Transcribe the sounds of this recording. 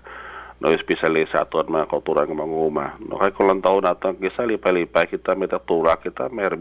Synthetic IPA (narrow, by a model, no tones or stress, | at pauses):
nʔo̰ɪsbisalisa̰t̪uanmakaut̪uɾankamaŋuma̰no̰kakulant̪aʊnat̪akisalipajlipajkit̪amɛt̪at̪ulakit̪amar